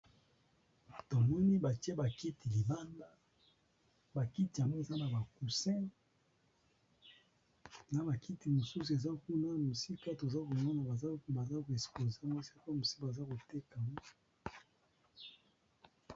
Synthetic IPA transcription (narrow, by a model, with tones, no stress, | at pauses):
to˨mɔ˦ni˦ba˨ti˦e˦ba˨ki˦ti˨li˨ba˦nda˦ | ba˨ki˦ti˨a˨ŋɡo˦e˨za˦na˨ba˨ku˨sɛ̃˦ | na˨ba˨ki˦ti˨mo˨su˦su˨e˨za˦ku˦na˦mu˨si˦ka˦to˨za˦ko˨mɔ˦na˨ba˨za˦ba˨za˦ko˨e˨splo˨ze˦a˦ŋɡo˦se˦kmu˨si̥˦ka˨a˨za˦ko˨te˦ka˨ŋɡɔ˦